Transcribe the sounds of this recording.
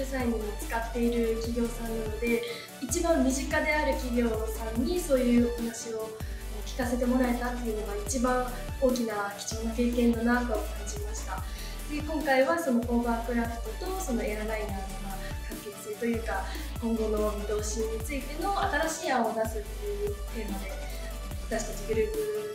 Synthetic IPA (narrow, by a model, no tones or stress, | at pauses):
ɯsaiɲ̟imot͡sɨ̥kat̪ːe̞iɾɯ̟kʲiɡʲo̞ːsãnːano̞d̪e̞ | it͡ɕibãmːʲiʑikad̪e̞aɾɯ̟kʲiɡʲo̞ːsãɲ̟ːiso̞ːjɯ̟ːhanaɕio̞ | kʲi̥kaset̪e̞mo̞ɾae̞t̪at̪ːe̞ɯ̟no̞ɡait͡ɕibãɰ̃ | o̞ːkʲinakʲi̥t͡ɕonoke̞ːkẽ̞nːo̞nakaokãɲd͡ʑimaɕi̥t̪a | d̪̥e̞kõŋkaiβaso̞no̞ʔo̞ːbaːpɯ̟ɾapɯ̥t̪o̞t̪o̞so̞no̞e̞ɾaɾainanoɡa | kaŋke̞t͡sɨ̥sɨit̪o̞jɯ̟ːka | kõ̞ŋɡo̞no̞mʲid̪o̞ːɕiɲ̟ːit͡sɨit̪e̞no̞at̪aɾaɕiːãod̪asɨt̪ːejɯ̟ːt̪e̞mad̪e̞ | βat̪aɕi̥t̪at͡ɕiɡɯ̟ɾɯ̟ːk̪i